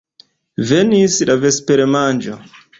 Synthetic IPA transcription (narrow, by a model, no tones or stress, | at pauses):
venisiɗavespeɾemand͡ʒo